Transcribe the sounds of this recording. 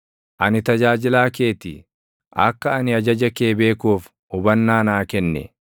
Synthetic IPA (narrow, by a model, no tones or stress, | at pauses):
ʔɐnɪt̪ɐd͡ʒaːd͡ʒɪlaːke̞ːt̪ɪ | ʔɐ̰kːɐɐnɪɐd͡ʒɐd͡ʒɐkeːbe̞ːkuːf | ʊbɐnːaːnaːkɛnːɛ̰